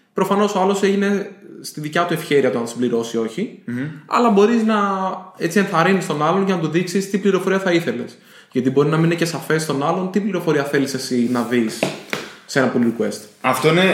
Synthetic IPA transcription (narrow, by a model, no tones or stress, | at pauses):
pɾo̞fɐno̞so̞ɐlo̞se̞ʝine̞st̪iðicɐt̪ue̞fçe̞ɾiɐt̪oɐnsibliɾo̞sio̞çiɐ̰lɐbo̞ɾiznɐet͡sienθɐɾinist̪o̞nɐlo̞nʝɐnɐt̪̬uðiksist̪ipliɾo̞fo̞ɾiɐθɐiθe̞le̞s | ʝɐt̪ibo̞ɾinɐmininece̞sɐfe̞st̪o̞nɐlo̞nt̪ipliɾo̞fo̞ɾiɐθe̞lisesinɐðisː | e̞nɐpoliɾikue̞st̪ɐft̪o̞ine